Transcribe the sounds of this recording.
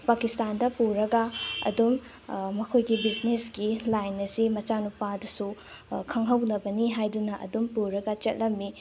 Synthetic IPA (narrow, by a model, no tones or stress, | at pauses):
pakistandɐpuɾɐɡɐɐ̰dumː | ɐkʰojɡibid͡ʒnesɡilajnːɐsimɐt͡ʃanupadɐsu | kʰɐŋɦɐwnɐbɐniɦajdunɐʔɐ̰dumpuɾɐɡɐt͡ʃɐ̰t̚lɐmːi